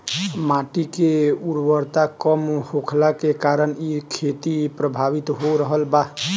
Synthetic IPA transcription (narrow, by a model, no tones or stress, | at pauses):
maʈikeuɾbəɾt̪akəmhokʰlakekaɾənikʰet̪ipɾəbʱabit̪ɦoɾəɦəlba